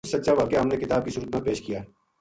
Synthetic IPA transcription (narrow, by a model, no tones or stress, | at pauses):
sɐtːʃaʋaːkjaɦɐmnekɪt̪aːb̚kisʊɾəd̪̚mẽpeːʃkijaː